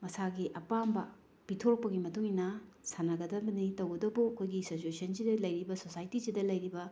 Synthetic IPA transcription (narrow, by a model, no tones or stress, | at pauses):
mɐsaɡiʔɐpambɐ | pitʰoɾk̚pɐɡimɐtuŋinɐsanɐɡɐdɐbɐnitɐwɡɐdɐbuɐkʰojɡisot͡ʃusɐnzidɐlɐjɾibɐsosajtizidɐlɐjɾibɐ